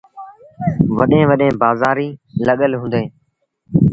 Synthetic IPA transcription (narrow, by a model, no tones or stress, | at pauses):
ʋəɗẽːʋəɗẽːbaːzaːɾiːləɠəlɦũːnd̪eː